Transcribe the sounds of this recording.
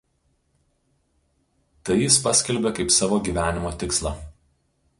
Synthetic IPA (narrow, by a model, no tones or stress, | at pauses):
t̪ɐɪɪspɐsʲkʲɛlʲbʲekɐɪpsɑːʋoːɡʲiːˑʋʲæːnʲɪmoːt̪ʲɪkslˠɑ